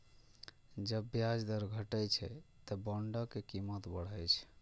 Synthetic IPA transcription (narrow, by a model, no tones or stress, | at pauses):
d͡ʒəbːjad͡ʒd̪əɾɡʱəʈəjt͡ʃʰɛ̰t̪əbəɳɖəkekimət̪bəɽ̤əjt͡ʃʰ